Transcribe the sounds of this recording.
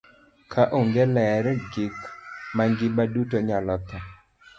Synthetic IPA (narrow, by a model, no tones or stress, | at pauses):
kʰaʔoŋɡɛlɛɾɡɪkmaŋɡɪbadutoɲalɔt̪ɔ